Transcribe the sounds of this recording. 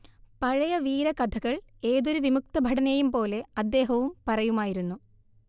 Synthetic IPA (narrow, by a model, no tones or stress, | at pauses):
pɐɻɐjɐʋiːɾɐkɐd̪ʰʱɐɣɐɭe̞ːðo̞ɾuʋimuk̚t̪ɐbʱɐɽɐnejumpo̞ːle̞ɐd̪ːe̞ːɦɐʋumpɐrɐjumaːjiɾunːu